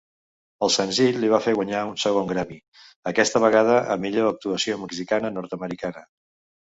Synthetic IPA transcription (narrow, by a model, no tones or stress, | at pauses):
əlˠsənziʎliβafeɣwəɲaunsəɣoŋɡɾɛmi | əkɛst̪əβ̞əɣað̞əʔə̰miʎoək̚t̪uəsioməɡzikanənɔɾt̪əməɾikanə